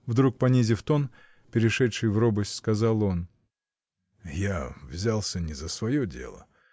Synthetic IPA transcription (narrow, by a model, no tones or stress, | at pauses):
vd̪ɾuk̚pɐnʲizʲɪft̪o̞n | pʲɪɾʲɪʂɛtʂɨjvrobəsʲskɐzɑlˠo̞n | javzʲalˠsʲənʲɪzəsvɐjodʲe̞̰lˠə̰